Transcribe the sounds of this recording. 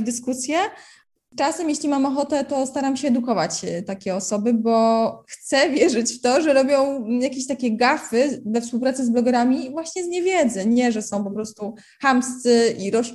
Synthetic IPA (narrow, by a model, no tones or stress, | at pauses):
d̪ɘskusʲjɛ | t͡ʂasɛmjeɕlʲimamɔxɔt̪ɛt̪ɔst̪aɾamɕɛːd̪ukɔvat͡ɕt̪akʲɛɔsɔbɘbɔxt̪sɛvʲjɛʐɘt͡ɕft̪ɔʐɛɾɔbʲjɔ̃w̃jakʲeɕt̪akʲɛɡafɘvɛfspuwpɾat̪sɨzblɔɡɛɾamʲivwaɕɲɛzɲɛvʲjɛd̪zɛɲɛʐɛsɔ̃w̃pɔpɾɔst̪u | xamst̪sɘʔiɾɔʂ